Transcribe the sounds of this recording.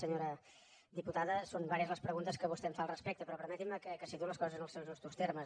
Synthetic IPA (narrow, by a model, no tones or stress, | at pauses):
səɲoɾə | d̪iput̪aðəsombaɾiəzləspɾəɣunt̪əskəβust̪ɛmfalˠrəspek̚t̪əpɾɔpəɾmɛt̪iməkəkəsit̪uləskɔzəzənəlˠsewznɔst̪ust̪ermə